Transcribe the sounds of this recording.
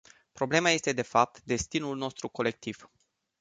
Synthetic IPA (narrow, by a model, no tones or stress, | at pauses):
pɾo̞ble̞maje̞st̪e̞d̪e̞fap̚t̪d̪e̞st̪inulno̞st̪ɾuko̞le̞k̚t̪iv̥